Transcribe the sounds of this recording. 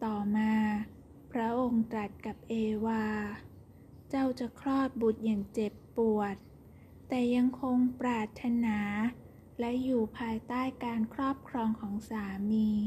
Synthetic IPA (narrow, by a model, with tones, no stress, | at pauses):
t̪ɔː˨˩maː˧ | pʰɾa˦˥ʔo˧ŋt̪ɾa˨˩t̪̚ka˨˩p̚ʔeː˧waː˧ | t͡ɕa˥˩wt͡ɕa˨˩ʔkʰɾɔː˥˩t̪̚bu˨˩t̪̚jaː˨˩ŋt͡ɕe˨˩pːu˨˩ət̪̚ː | ɛː˨˩ja˧ŋkʰo˧ŋpɾaː˨˩t̪ʰːa˧naː˩˦ | lɛ˦˥juː˨˩pʰaː˧jt̪aː˥˩jkaː˧nkʰɾɔː˥˩p̚kʰɾɔː˧ŋkʰɔː˩˦ŋsaː˩˦miː˧